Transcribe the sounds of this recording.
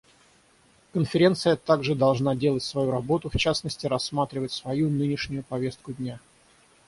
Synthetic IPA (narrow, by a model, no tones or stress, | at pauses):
kənfʲɪɾʲe̞nt̪sɨjət̪aɡʐɨd̪ɐlˠʐnadʲe̞lˠətʲsvɐjuɾɐbo̞t̪ʊft͡ɕasnəsʲtʲɪɾɐsːmat̪ɾʲɪvətʲsvɐjunɨnʲɪʂnʲʊjʊpɐvʲe̞st̪̚kʊdʲnʲa